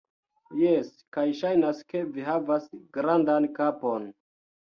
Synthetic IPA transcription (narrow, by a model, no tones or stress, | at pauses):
jeskajʃajnaske̞viɦavasɡɾandankapo̞n